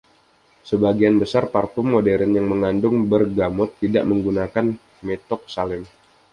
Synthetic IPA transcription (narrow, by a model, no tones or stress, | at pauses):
səbaɡianbəsarparfʊmːodeɾənjaŋməŋandʊŋbərɡamʊt̪ːida̰ʔməŋɡunakan | met̪ɔk̚salɪm